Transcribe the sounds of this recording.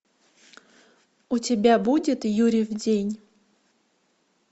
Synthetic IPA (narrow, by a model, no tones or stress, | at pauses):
ʊtʲɪbʲabudʲɪt̪juɾʲɪvdʲenʲ